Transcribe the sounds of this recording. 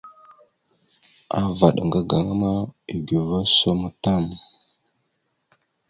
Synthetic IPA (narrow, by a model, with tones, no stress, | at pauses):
a̰˦va˨ɗŋɡa˦ɡa˨ŋa˦ma˦i˨ɡi˨va˦so˦m˦ta˦˨m